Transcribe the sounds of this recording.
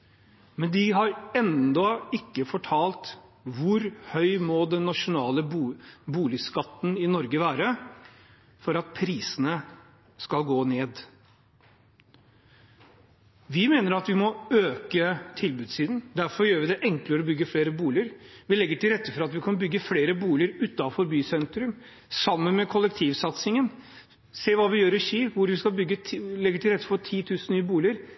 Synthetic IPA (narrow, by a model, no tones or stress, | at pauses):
mɛnd̪ɪɦɑɾɛnd̪ɔɪkːəfɔʈʰɑːlt̪ʋʊɾhœʏmɔd̪ɛnːɑʂʊnɑːləbuːlɪskɑt̪ːn̩ɪnɔɾɡəʋæːɾə | fɔɾɑt̪̚pʰɾiːsənə | skɑlɡoːneːd̪ | ʋɪmeːnəɾɑt̪ʋɪmɔøːkət̪ʰɪlbʉːd̪siːd̪n̩d̪æɾfɔɾjøːɾʋɪd̪ɛʔɛŋkləɾɔbʏɡːəfleːɾəbuːlɪəɾʋɪlɛɡːəʈʰɪlɾɛt̪ːəfɔɾɑt̪ʋɪkʰɑnbʏɡːəfleːɾəbuːlɪəɾʉt̪ːɑfɔɾbyːsɛnt̪ɾʉm | sɑmːənmɛkʰɔlɛkt̪ʰiːʋsɑt̪sɪŋən | seːʋɑːʋɪjøːɾɪɕiːʋʊɾʋɪskɑlbʏɡːəlɛɡːəʈʰɪlɾɛt̪ːə̥fɔʈ̪ʰiːt̪ʰʉːsn̩nyːəbuːlɪəɾ